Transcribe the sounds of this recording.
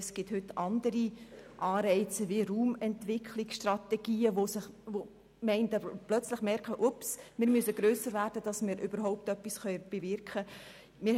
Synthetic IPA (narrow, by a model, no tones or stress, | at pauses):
sɡ̥ɪthʏtːɑndəɾiʔɑːɾɛɪt͡səviruːmɛntvɪkʰχliksʃtrɑtɛɡ̥iːəʋosɪvo | mɛɪndəplœt͡sləχmɛɾkχəʔupsmɪːɾmyəsəɡ̥ɾøːsəɾvæːɾd̥əd̥ɑsmɪːɾʔybəɾɦɔʊp̚tœpːisχœʏb̥evɪrkχə | mɪ